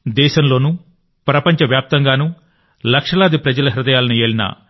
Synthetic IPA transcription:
d̪ɛːʃɐmlo̞ːnu | pɾɐpɐɲt͡ʃɐʋjaːp̚t̪ɐŋɡaːnu | lɐkʂɐlaːd̪ipɾɐd͡ʒɐlɐɦiɾud̪ɐjaːlɐnueːlinɐ̰

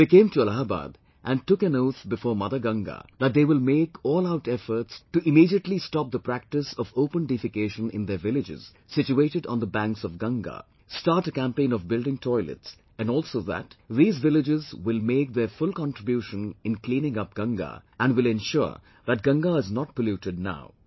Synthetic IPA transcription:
bɪkẽːmtuəlaɦba̰ːd̪ | ʔæ̃nʈʊkæ̃noʊt̪bɪfɔːɹmʌðə˞ɡʌ̃ŋɡa̰ðæt̚d̪eːwɪlmeːkʰɔːlaʊtɛfəɾtsʈuʔɪmiɾiətlistɑp̚d̪əpɾæk̚tɪsɔvopə̃nɖɪfɪkeːʃə̃nɪ̰̃nd̪əvɪlɪd͡ʒɪ̰z̥ | sɪt͡ʃueɪɾɨɖɔ̃nd̪əbæ̃ŋksɔvɡʌ̃ŋɡa̰ | stɑɾʈəkæ̃mpẽɪ̃nɔvbɪldɪ̃ŋtʰɔɪlə̰ts | æ̃nɔlˠsoʊðæ̰tðiːzvɪlɪd͡ʒɪzwɪlˠmeːk̚ðəfʊlˠkɑ̃ntɹ̥ɪbjuʃə̃nɪ̃nklĩːnɪ̃ŋʌp̚ɡ̥ʌ̃ŋɡa̰ʔæ̃nwɪlɛ̃nʃʊ̰ɹ | ðæt̚ɡʌ̃ŋɡaɪznɔt̚pəljuʈɨd̚ⁿna̰ʊ

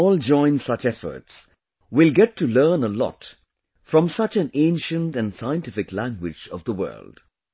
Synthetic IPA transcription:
ɔːld͡ʒɔ̃ɪ̃nsʌt͡ʃɛfə̰˞ts | wɪlɡɛtʰːulɜːnəlɔ̰t | fɹʌ̃msʌt͡ʃɨ̃nẽɪ̃nʃɨ̃ntæ̃nsaɪə̃ntɪfɪklæ̃ŋɡwɪ̰d͡ʒʌ̰vðəwɜ̰ː˞ld̥

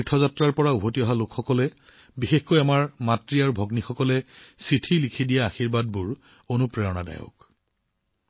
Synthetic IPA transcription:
itʰɔzatɹaɹpɔɹaubʱotiɔɦalokxɔkɔlɛ | bixexkojamaɹmatɹiaɹubʱɔɡnixɔkɔlɛsɹitʰilikʰidijaːxiɹbad̚buɹ | onupɹɛɹɔna̰da̰jɔ̰k

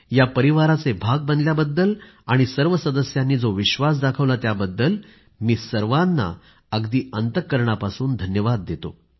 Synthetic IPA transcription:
japəɾiʋaɾat͡sebʱaɡ̚bənd̪ljabəd̪ːəl | aɽ̃isəɾʋəsəd̪əsjanːiːd͡zoʋiɕʋas̬d̪akʰəʋlat̪jabəd̪ːəl | miːsəɾʋanːa̰ | əɡd̪iːənt̪əkːəɾɳ̃apasuːnd̪ʱənjəʋad̪̚ːet̪o̰

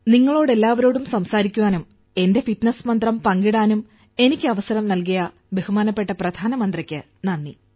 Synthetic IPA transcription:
niŋːɐɭo̞ːɽe̞lːaːʋɐɾo̞ːɽumsɐmsaːɾikʲːuʋaːnum | e̞nde̞fiʈnɐsmɐnd̪rɐmpɐŋɡiɽaːnum | e̞nikʲːɨɐʋɐsɐɾɐmnɐlkɐjɐ | be̞humaːnɐpːe̞ʈːɐprɐd̪ʱaːnɐmɐnd̪rɐkʲːɨ | nɐnːi

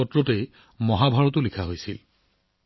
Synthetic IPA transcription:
ɔtɹɔtej | mɔɦabʱaɹɔtʊlikʰaɦojsil

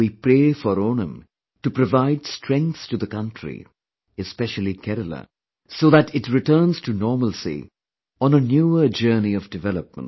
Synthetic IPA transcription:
wipɾeːfɔɾonə̃m | tupɾɔvaɪdstɹ̥ɛ̃ŋk̪stuðəkʌ̃ntʰɹḭ | ɨspɛʃəlˠikʰɛɾələ̰ | soːðætɪtɹɪtəːnz̥tʰunɔːməlsḭ | ə̃nənjuːəd͡ʒɜːniɔvdɨvɛləp̚mə̰̃nt

